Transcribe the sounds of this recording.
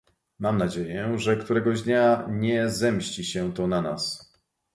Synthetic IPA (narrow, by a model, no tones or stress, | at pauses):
mamnad͡ʑejɛʐɛkt̪uɾɛɡɔʑd̪ɲaɲɛzɛmɕt͡ɕiɕɛt̪ɔnana̰s